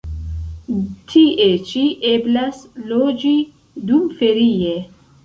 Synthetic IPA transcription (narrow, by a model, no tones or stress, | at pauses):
t̪ʰiʔet͡ʃiʔeblasloːd͡ʒi | d̪umfeɾije